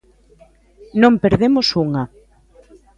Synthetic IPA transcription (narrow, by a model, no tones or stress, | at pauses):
nõmpeɾðemosuŋɐ